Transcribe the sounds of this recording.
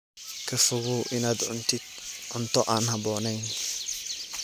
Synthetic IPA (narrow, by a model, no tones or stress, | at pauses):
kʰɐfʊɣʊʔɪnaːd̪ʕʊ̰nt̪ɪd̪ʕʊnt̪ɔʔaːnhɐbɔːnɛjn